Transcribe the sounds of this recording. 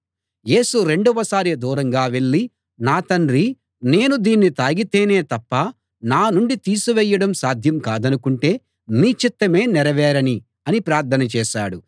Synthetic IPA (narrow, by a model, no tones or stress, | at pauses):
je̞ːsuɾe̞ɳɖɔʋɐsaːɾid̪uːɾɐŋɡaːʋe̞ɭːi | naːt̪ɐɳɾi | ne̞ːnud̪iːnːit̪aːɡit̪eːne̞ːt̪ɐpːɐ | naːnuɳɖit̪iːsuʋɛjːɐɽɐmsaːd̪ʱjɐmkaːd̪ɐnukuɳʈe̞ː | miːt͡ʃit̪ːɐme̞ːnɛɾɐʋɛːɾɐni | ɐnipɾaːɾt̪ʰːɐnɐt͡ʃɛːʃaːɽu